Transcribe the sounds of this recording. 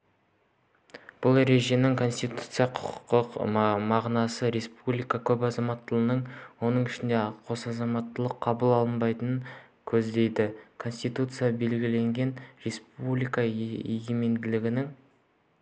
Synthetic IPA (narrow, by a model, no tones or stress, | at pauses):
b̥ʊlˠɾe̞ʒenɪŋkʰo̞nsʲt̪ijt̪u̥t̪sɨjaqʰʊ̥qʰə̥qt̪əqmɑʁnɑsəɾe̞spublijkakʲʰɵpɑzɑmɑt̪ːəlˠənəɴwo̞nəɴɪʃɪnd̪e̞qʰo̞sɑzɑmɑt̪ːəlˠəqʰːɑbulˠɑlˠənbɑjt̪ənəŋ | kʲʰɵzd̪e̞jd̪ɪkʰo̞nsʲt̪ijt̪ut̪sɨjabe̞lɡʲɪle̞ŋɡʲe̞nɾe̞spublijkɑeɡʲeme̞nd̪ɪlɪɡʲɪnɪŋ